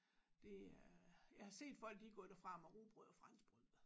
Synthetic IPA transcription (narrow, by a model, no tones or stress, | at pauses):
d̥e̝ | jɑ̈ɪhɑ̈se̝̰ːd̥fɒ̽l̰ɡ̥iɡ̥ɔ̰d̥æfʁɑ̈mɑʁuːb̥ʁɔðˠɒfʁɑ̈n̰sb̥ʁyð̰ˠ